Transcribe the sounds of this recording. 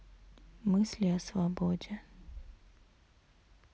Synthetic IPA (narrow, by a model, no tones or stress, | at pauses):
mɨsʲlʲiɐsvɐbodʲe